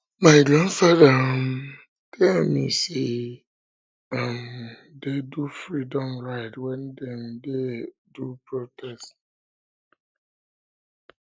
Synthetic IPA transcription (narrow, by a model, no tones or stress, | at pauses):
maɪɡɾãndfaðəm | kʰɛ̃nmḭ̃se | am | dedufɹidɔ̃mɹaɪtwɛ̃ndɛ̃mdedupʰɹotʰɛst